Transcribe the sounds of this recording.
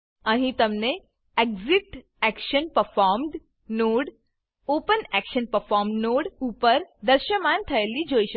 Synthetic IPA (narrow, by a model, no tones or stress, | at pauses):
ə̃ɦĩt̪əmne | ekziʈ | ɛkʃənpəɾfaɔɾmɖ | noːɽ | oːpənɛkʃənpəɾfɔːɾmɖnoːɽupəɾd̪əɾʃəmant̪ʰɐelid͡ʒoːiʃ